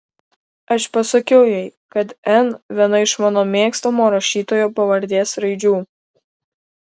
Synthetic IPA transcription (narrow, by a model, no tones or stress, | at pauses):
ɐʃpɐsɐkʲɛʊjɛɪ | kɐt̪ɛnʋʲiɛnɐɪʃmɑːnoːmʲeːkst̪omoːɾɐʃʲiːt̪oːjoːpɐʋɐɾʲd̪ʲeːsɾɐɪd͡ʒʲuː